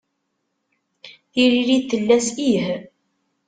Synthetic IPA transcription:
θiɾiɾiθəlːæsih

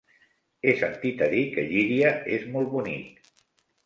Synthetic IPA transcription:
esənt̪it̪əðikəʎiɾiəezmɔlˠt̪̚βunḭk

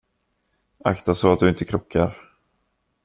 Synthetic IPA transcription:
a̰kt̪asɔat̪̚d̪ɵɪnt̪əkʰɾʊkʰːaɾ

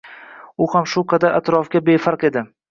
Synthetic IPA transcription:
ʊhamʃʊqʰɑd̪aɾʔa̰t̪ɾɒfɡʲabe̞faɾqe̞d̪ɪ

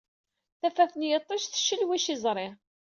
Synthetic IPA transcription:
θæfæθənjət̪ˤːəʃθə̥ʃːəlwiʃizˤɾˤɪ

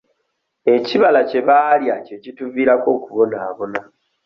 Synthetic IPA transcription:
e̞ciβalace̞βaːljace̞cituviːɾako̞ːkuβo̞naːβo̞na

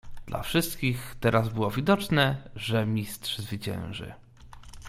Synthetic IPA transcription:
d̪̥lʔa̰fʂɘst̪kʲixt̪ɛɾazbɘwɔvʲid̪ɔt͡ʂnɛʐɛmʲist̪ʂzvɘt͡ɕɛ̰̃w̃ʐɘ̰

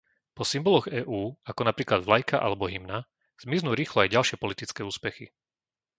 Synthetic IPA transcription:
pɔsimbɔlɔɣɛːʔuːakɔnapɾiːklad̪vlajkaʔa̰lɛbɔɦimna | z̥miznuːɾiːxlɔajɟalʃɪɛpɔlit̪it͡skɛːuːspɛxḭ

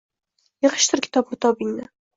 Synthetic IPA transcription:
jɤʁəʃt̪ʊɾkʲʰɪ̥t̪ʰɒpnɪt̪ʰɒbɪŋnɪ

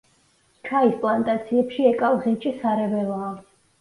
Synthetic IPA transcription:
t͡ʃʰaispʼlˠant̪ʼat̪sʰiɛpʃiɛkʼavʁɛt͡ʃʰʼisaɾɛvɛlˠɔa

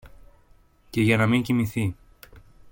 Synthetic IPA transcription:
ce̞ʝɐnɐmiɲcimiθi

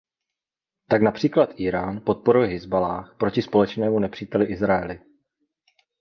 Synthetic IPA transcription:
t̪aknapr̝̥iːklat̪ʔiːɾaːnpo̞t̪̚po̞ɾujɦɪzbalaːxpɾo̞cɪspo̞lɛt͡ʃnɛːmunɛpr̝̥iːt̪ɛlɪʔɪzɾaɛlɪ

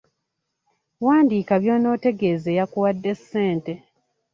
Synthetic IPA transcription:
waːndiːkaβjo̞ːno̞ːte̞ɡe̞ːze̞ːjakuwadːe̞sːe̞ːnte̞

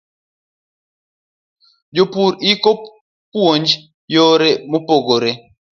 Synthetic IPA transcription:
d͡ʒopuɾiko | pwond͡ʒ | jɔɾɛmupoɡoɾɛ

